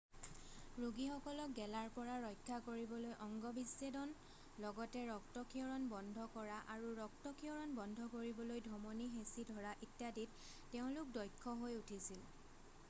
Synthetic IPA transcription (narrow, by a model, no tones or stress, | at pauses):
ɹoɡixɔkɔlɔk̚ɡɛlaɹpɔɹaɹɔjkʰːakoɹibɔlojʔɔŋɡɔbisːedɔn | lɔɡɔtɛɹɔktɔkʰiɔɹɔnbɔndʱɔkɔɹaʔaɹuɹɔk̚tɔkʰiɔɹɔnbɔndʱɔkoɹibɔlojdʱɔmonixesidʱɔɹaʔitjaditː | eʊ̃lʊk̚dɔjkʰːɔɦojutʰisil